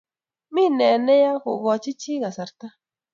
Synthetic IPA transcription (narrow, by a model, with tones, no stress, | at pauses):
mi˦˨nɛ˨nɛ˦ja˦kʊ̰˨ɡɔ˨t͡ʃɪ˦t͡ʃi˦ɣa˨sa˨ɾta˦